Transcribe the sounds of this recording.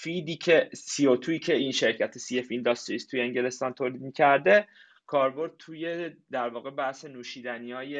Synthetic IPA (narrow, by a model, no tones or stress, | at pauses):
fid̪iːcʰe̞siot̪ʰuiːcʰe̞inʃe̞ɾcʰæt̪ʰesijefiːnd̪ɒːst̪eiːst̪ʰujeeɲɟe̞le̞st̪ɒːnt̪ʰoːliːd̪̚miːcʰæɾd̪e̞ | kʰɒːɾbo̞ɾd̪̚t̪ʰuːjed̪æɾvɒːɣe̞bæhsenuːʃiːd̪æniɒːje